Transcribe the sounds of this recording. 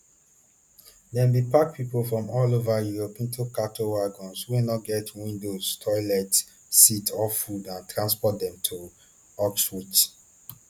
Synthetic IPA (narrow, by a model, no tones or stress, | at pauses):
dɛ̃nbipak̚pʰipolfɹɔ̃mɔlovajuɹopĩntʰukatowaɡɔ̃nswenɔɡɛtwĩndoztʰɔɪlɛt | sitʰɔffudãntʰɹãnspɔt̚dɛ̃mtʰu | ɔkswut